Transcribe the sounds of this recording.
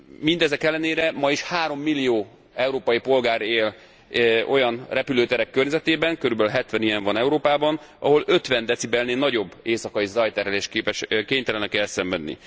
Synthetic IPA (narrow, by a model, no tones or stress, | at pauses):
mind̪ɛzɛkɛlːɛneːɾɛmɒiʃhaːɾo̞mːilːijoː | ɛuɾoːpɒjipo̞lɡaːɾeːl | o̞jɒnrɛpyløːt̪ɛɾɛkːørɲɛzɛt̪eːbɛŋkøɾybɛlɦɛt̪ʋɛnijɛɱvɒnɛuɾoːpaːbɒnɒ̰ɦo̞løt̪ʋɛnd̪ɛt̪sibɛlneːnɒɟo̞bːeːsɒkɒjizɒjt̪ɛɾɛleːʃkeːpɛʃkeːɲt̪ɛlɛnɛkɛlsɛɱvɛd̪nːḭ